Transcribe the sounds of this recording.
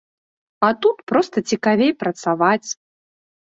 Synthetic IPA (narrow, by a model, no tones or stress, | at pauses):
at̪ut̪pɾɔst̪ɐt͡sʲikavʲejpɾɐt̪savat͡sʲ